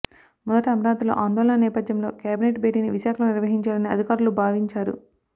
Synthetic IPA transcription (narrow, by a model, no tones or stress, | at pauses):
mɔd̪ɐʈiɐmɐɾaːt̪ulo̰ːʔaːnd̪oːlɐnɐnɛːpɐd̪ʱjɐmlo̞̰ːkjaːbineʈbeːʈiːniʋiʃaːkʰɐloniɾʋɐɦiɲt͡ʃaːlɐniɐ̰d̪ʱikaːɾulubʱaːʋiɲt͡ʃaːɾṵ